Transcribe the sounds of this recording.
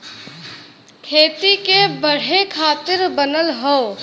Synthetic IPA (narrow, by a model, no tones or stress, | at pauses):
kʰeːt̪ikebəɽ̤ekʰaːt̪ɪɾbənəlɦoː